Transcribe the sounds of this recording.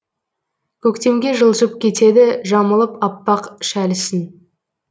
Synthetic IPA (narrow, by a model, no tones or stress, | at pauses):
kʲʰɵkt̪e̞mɡʲe̞ʒəlˠʒəp̚kʲʰe̞t̪e̞d̪ɪʒɑməlˠəpɑpːɑqʃælɪsɪn